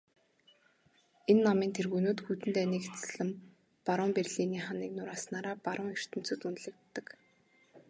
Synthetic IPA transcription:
enːamiːnt̪ʰerɣunoːt̪xut̪ɘ̆nt̪æːniːket͡sɮə̆m | paɾʊːmperɮiniːχaniːknʊɾaːsnaːɾaːpaɾʊːŋer̥t̪ɘ̆m̥t͡sɵ̆ːt̪unɮɘ̆k̚t̪ːə̆k

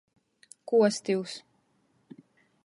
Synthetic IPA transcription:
kuɔst̪iws

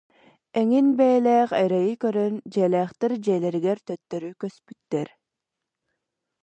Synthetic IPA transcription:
ɛŋinbɛːlɛːχɑjɾajɯkœɾœnd͡ʑɛːlɛːχt̪ɛɾd͡ʑɛːlɛɾiɡɛɾt̪œt̪ːœɾykœspyt̪ːɛɾ

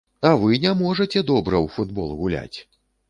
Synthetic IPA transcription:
ɐvɨnʲamɔʐɐt͡sʲɛd̪ɔbɾɐwfud̪bɔ̰lˠɣulʲa̰t͡sʲ

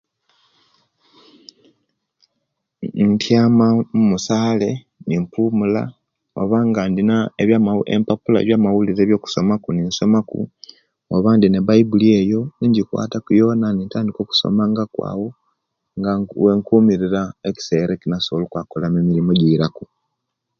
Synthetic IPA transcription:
ntʰjaːmamumusaːle̞ | nimpuːmula̰ | o̰βaŋɡandinaeβjamaḛmpapula̰βjaːmawuliɾe̞ːβjo̞ːku̥so̞makuninso̞makṵ | oβaːndineβaibulie̞jo̞niɲɟikwa̰ːtakujo̞ːnanintaːndiko̞ku̥so̞̰maŋɡakwa̰ːwo̞ | ŋɡwe̞ːŋkuːmiɾiɾaeci̥se̞ɾekinasoβolukwakolamemilimoɟiɾaku

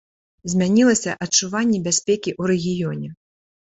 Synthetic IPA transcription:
zʲmʲanʲilˠɐsʲɐʔɐt͡ʂuvanʲːɛbʲasʲpʲɛkʲiʔuɾɛɣʲijɔnʲɛ

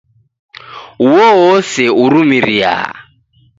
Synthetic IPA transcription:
uwɔɦɔsɛuɾumiɾia̰

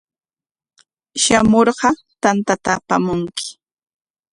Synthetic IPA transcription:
ʃamoɾɢɑ | t̪ant̪at̪aːpamʊŋkɪ̥

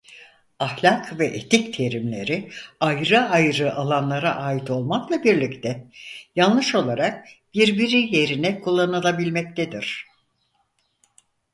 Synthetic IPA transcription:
ahlʲakʰvɛʔet̪ʰict̪ʰe̞ɾimlʲe̞̰ɾiajɾɯajɾɯʔalˠanlˠaɾaʔaːit̪ʰo̞lˠmaklˠabiɾlʲict̪ʰɛjalˠɯʃo̞lˠaɾak̚b̥iɾbiɾije̞ɾinɛkʰulˠːanɯlˠabilʲmɛc̚t̪ʰed̪iɾ̥

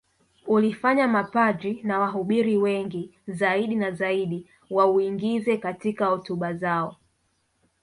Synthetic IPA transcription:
ulifaɲamapad͡ʒinawaɦuɓiɾiwɛŋɡizaiɗinazaiɗi | wauiŋɡizɛkatikahɔtuɓazaɔ

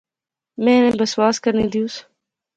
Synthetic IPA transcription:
mẽːnẽbəswaːskəɾniːd̪ijũːs

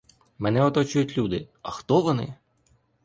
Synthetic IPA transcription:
mɛnɛɔt̪ɔt͡ʃʊjʊtʲlʲud̪ɪɐxt̪ɔʋɔnɪ̰

